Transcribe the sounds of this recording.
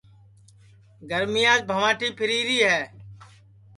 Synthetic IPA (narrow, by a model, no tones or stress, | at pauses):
ɡəɾmɪjaːd͡ʒbʱəʋãːʈʰiːpʰɪɾiːɾiːɦɛː